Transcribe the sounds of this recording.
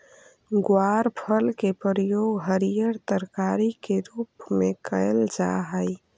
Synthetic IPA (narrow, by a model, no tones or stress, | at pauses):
ɡwaɾpʰəlkepəɾjoɡɦəɾijəɾt̪əɾkaɾikeɾupmekəɪld͡ʒa̰ɦəj